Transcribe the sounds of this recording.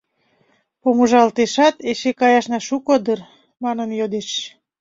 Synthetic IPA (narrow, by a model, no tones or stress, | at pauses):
pomuʒɑlt̪eʃɑt̪eʃekɑjɑʃnɑʃukod̪ər | mɑnənjod̪eʃ